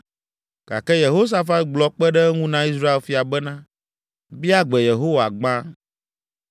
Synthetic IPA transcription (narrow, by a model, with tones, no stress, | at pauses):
ɡ̥a̰˨kɛ˦je˨ɦo˦s̬a˦fa˦t̪̚ɡ͡blɔ˨k͡pɛ˦ɖɛ˦ŋũ˦nã˦i˦sɾa˦e˨lfi˨a˨bɛ˦nã˦ | bi˦a˦ɡ͡bɛ˨je˨ɦo˦wa˨ɡ͡bã˦